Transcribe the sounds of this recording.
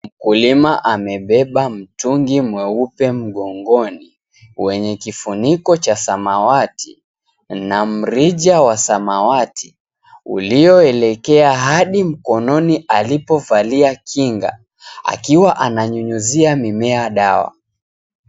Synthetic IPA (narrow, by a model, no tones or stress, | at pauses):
m̩kulimaʔamɛɓɛɓam̩tuŋɡimwɛupɛm̩ɠɔŋɡɔni | wɛɲɛkifunikɔt͡ʃasamawatʰḭ | nam̩ɾiʄawasamawatʰi̥ | ṵliɔɛlɛkɛaɦaɗim̩kɔnɔniʔalipɔvaliakʰiŋɡa̰ | a̰kiwaʔanaɲuɲuziamimɛaɗawa̰